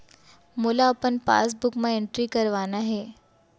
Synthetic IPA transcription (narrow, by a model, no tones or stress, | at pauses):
mʊlaɐpənpa̰ːs̬bʊkmãẽɳʈɾikɐɾʋaːnaɦɛː